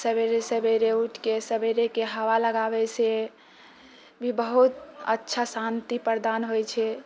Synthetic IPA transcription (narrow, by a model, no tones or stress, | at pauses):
səbeɾesəbeɾeuʈʰkesəbeɾekeɦəʋaləɡabɛse | bʱibəɦut̪ə̰tːʃʰasant̪ipəɾd̪anɦojt͡ʃʰɛ